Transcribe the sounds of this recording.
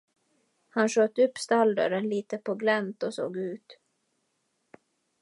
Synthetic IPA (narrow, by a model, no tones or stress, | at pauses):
hanʂøːt̪ːəɵpːst̪ald̪ə̰ɾənliːt̪əpʰɔɡlɛnt̪ɔso̰ːɡʉ̟ːt̪